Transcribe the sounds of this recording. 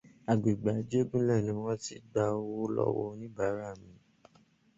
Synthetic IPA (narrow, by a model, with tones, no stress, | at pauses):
a˨ɡ͡bi˨ɡ͡ba˨˦d͡ʒe˦ɡũ˦lɛ˦˨nĩ˨˦wɔ̃˦ti˧˦ɡ͡ba˧˦wo˦lɔ̰˦wɔ˧nĩ˦ba˨˦ɾa˦˨mĩ˨˦